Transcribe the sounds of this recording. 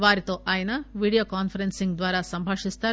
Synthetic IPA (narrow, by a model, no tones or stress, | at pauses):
ʋaːɾit̪o̞ːʔaːjɐnɐʋiːɽijoːkaːnpʰɐɾensiŋɡd̪ʋaːɾaːsɐmbʱaːʂist̪aːu